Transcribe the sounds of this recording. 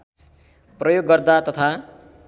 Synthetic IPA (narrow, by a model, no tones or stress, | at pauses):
prʌjoɡːʌrd̪at̪ʌt̪ʰa